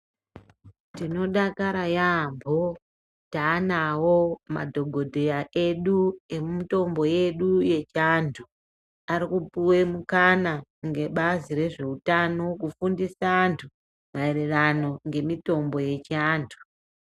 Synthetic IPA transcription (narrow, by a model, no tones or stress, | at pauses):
tino̞ɗakaɾajambʱo̞ | taːnawo̞ma̰dʱo̞ɡʱo̞dʱe̞jaʔe̞ɗue̞mumito̞mbo̞je̞ɗuje̞t͡ʃantʰu | aɾikupuwe̞mukanaŋɡe̞ɓaziɾe̞ʐe̞utano̞kufundisaantʰu | mae̞rerano̞ŋɡe̞mito̞mbo̞je̞t͡ʃaːntʰu